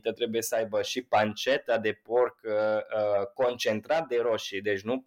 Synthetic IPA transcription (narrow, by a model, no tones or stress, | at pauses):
t̪at̪ɾe̞buje̞səajbəʃipant͡ʃet̪ad̪e̞po̞rkəko̞nt͡ʃe̞nt̪ɾat̪̚d̪e̞ɾoʃid̪e̞t͡ʃʲnu